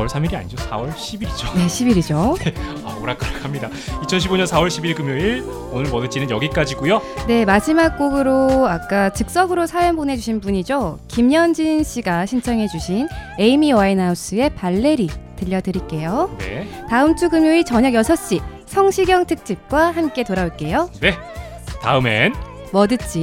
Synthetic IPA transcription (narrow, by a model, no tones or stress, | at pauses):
wʌɭsʰamiɾia̰ɲid͡ʑosʰa̰wʌɭɕʰibiɾid͡ʑone̞ɕʰibiɾid͡ʑoneamoɾak͈ɯɾakʰamɲida | it͡ɕʰʌnɕʰiboɲʌnsʰawʌɭɕʰibiɭkɯmjoiɭ | onɯɭmʌnɯt͡ɕ͈ʰinɯnjʌɡik͈ad͡ʑiɡujone̞mad͡ʑimak̚k͈oɡɯɾoak̚k͈at͡ɕɯk̚s͈ʌɡɯɾosʰajʌnbone̞d͡ʑuɕʰinpuɲid͡ʑokimɲʌnd͡ʑinɕ͈ʰiɡaɕʰint͡ɕʰʌŋɦe̞d͡ʑuɕʰine̞imiwainaus͈ɯe̞paɭːe̞ɾitɯʎːʌdɯɾiɭk͈e̞jonḛtaɯmt͡ɕʰuɡɯmjoit͡ɕʌɲʌɡjʌsʰʌɕ͈i | sʰʌŋɕʰiɡjʌŋtʰɯk̚t͡ɕ͈ip̚k͈wahamk͈e̞toɾaoɭk͈e̞jone̞ | ta̰ɯme̞̰n | mʌdɯt͡ɕ͈i